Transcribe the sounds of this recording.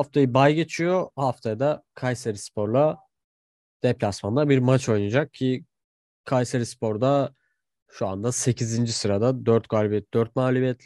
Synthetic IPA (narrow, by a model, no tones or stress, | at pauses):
haft̪ʰajɯbajɟe̞t͡ʃʰijo̞haft̪ʰajd̪akʰajseɾispʰo̞ɾlˠa | d̪̥ɛplʲasmanlˠaɾbiɾmat͡ʃʰo̞jnad͡ʒak̚cʰɪ | kʰajseɾispʰo̞ɾd̪a | ʃua̰nd̪ase̞cʰizind͡ʒisɯɾad̪ad̪øɾt̪ɡaːlʲibijɛt̪̚d̪øɾt̪̚maːlʲubijɛt̪lʲ